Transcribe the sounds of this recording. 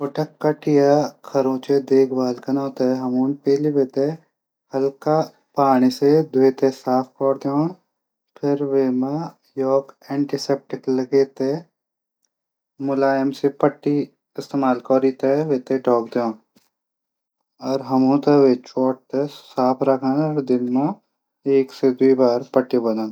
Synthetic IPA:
pʊʈɐkːɐʈijakʰɐɾõːt͡ʃed̪eːkʰbaːlkɐnãːt̪eɦɐmuːnpeːliʋeːt̪e | hɐlka | paːɽ̃ised̪weːt̪esaːp̚ʰkɔːɾd̪joːn | pʰɪɾʋeːma | jɔːkẽːɳʈisep̚ʈɪklɐɡeːt̪e | mʊlaːjəmsepəʈːi | ɪst̪eːmaːlkɔːɾit̪eʋeːt̪eʈɔːkd̪eõːn | ɔːɾɦɐmõt̪eʋet͡ʃɔːʈ̚t̪esaːpʰɾɐkʰanɾd̪ɪnmã | eːksed̪uibaːɾpəʈːibɐd̪aːn

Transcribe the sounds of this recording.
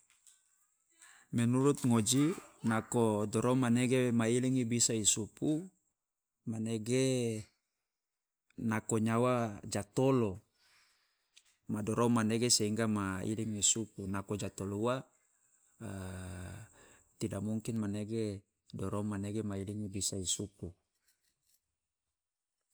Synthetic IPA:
mɛnuɾut̪̚ŋod͡ʒinakodoɾomaneɡemailiŋibisaisupu | maneɡe | nakoɲawad͡ʒat̪olo | madoɾomaneɡeseiŋɡamaḭliŋisupunakod͡ʒat̪olua | t̪idamuŋkinmaneɡe | dɔɾomaneɡemailiŋibisaisupu

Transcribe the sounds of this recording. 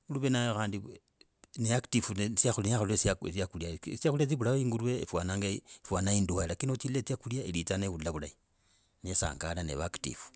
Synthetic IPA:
uluβenajoxaːndi | neaktifunsiaxulinaxululesasiakuljasiauliat͡siβulaoiːŋɡuɾuwḛfwanaːŋɡafwanainduailakinot͡ʃilet͡siakuljaelit͡saneβulaβulai | nesa̰ːŋɡalanḛβaktḭfu̥

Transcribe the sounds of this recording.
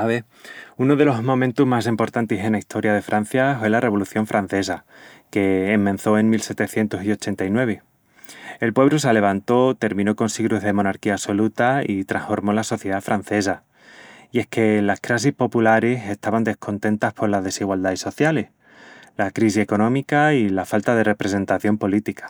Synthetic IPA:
aβe | unoðe̞lo̞ɦmõ̞mẽnt̪uɦmas̬impo̞ɾt̪ant̪ese̞naist̪ʰo̞ɾjaðe̞fɾʔan̟θjafwe̞lare̞β̞o̞luθjo̞ɱfɾʔan̟θe̞sa | ke̞ːmmːẽn̟θo̞e̞ŋmilse̞t̪e̞θje̞nt̪osio̞t͡ʃe̞nt̪ainwe̞β̞e | elpwe̞βɾosale̞β̞ant̪o̞t̪e̞ɾmĩno̞ko̞nsiɣɾuzðe̞mõ̞naɾkiaːso̞lut̪ait̪ɾaŋfo̞ɾmo̞laso̞θjeðafɾan̟θe̞sa | ie̞hke̞lahkɾasihpo̞pulaɾe̞se̞st̪aβand̪e̞hko̞nt̪ẽ̞nt̪ahpo̞ɾlaðe̞siɣwald̪aiso̞θjale̞h | lakɾisie̞ko̞nõ̞mikailafalt̪aðe̞re̞pɾe̞se̞nt̪aθjo̞mpo̞lit̪ikḁ

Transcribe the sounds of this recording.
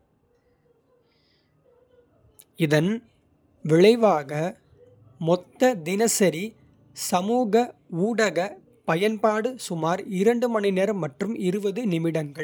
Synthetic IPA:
ɪðɐn | ʋɪɭɐɪʋaːɣɐ | mɔt̪ːɐd̪ɪnɐsɐɾi | sɐmuːɣɐuːɽɐɣɐ | pɐjɐnpaːɽɯsʊmaːɾɪɾɐɳɖɯmɐɳɪneɾmɐʈrɯmɪɾɯʋɐðɯnɪmɪɽɐŋɡɐɭ

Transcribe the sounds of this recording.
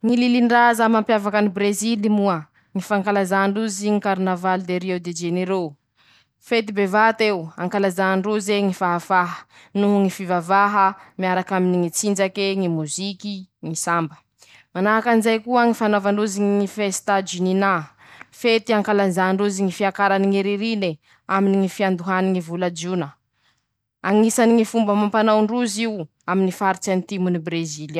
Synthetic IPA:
ŋililiɳɖ͡ʐazamampjavakanibɾezilimuə | ŋifaŋkalazaɳɖ͡ʐuziŋikaɾnavalid̪eɾiewd̪ed͡ʒeneɾo | fet̪̬ibevat̪ewaŋkalazaɳɖ͡ʐuzeŋifaɦafaɦə̥ | nuɦuŋifivavaɦəmiaɾakaminiŋit͡sind͡ʒakeŋimuzikiŋisambə̥ | manaɦakanizajkuəŋifanavaɳɖ͡ʐuziŋiŋifest̪ad͡ʒunina | fet̪iaŋkalanzaɳɖ͡ʐuziŋifiakaɾaniŋiɾiɾine | aminiŋifiand̪uɦaniŋivulad͡ʒunə | aŋisaniŋifumbəmampanawɳɖ͡ʐuziw | aminifaɾit͡sanit̪imunibɾezila

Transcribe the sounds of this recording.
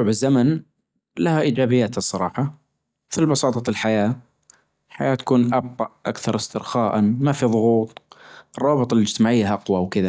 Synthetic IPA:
ʕbɪzːaman | lahaʔiːd͡ʒaːbɪjːaːt̪ɨsˤːɑɾˤɑ̰ːħɑ | mɪθlbɑsɑːt̪ˤɑɪlħajaː | ħa̰jaːt̪ḁkuːnʔɑb̚t̪ˤɑʔʔa̰kθɑɾˤɪst̪ɪɾxaːʔanmafiðˤʊɣuːt̪ˤʔɨrˤːɑːbɨt̪ˤɑlɪd͡ʒt̪ɪmaːʕɪjːaʔɑqwawkɪða

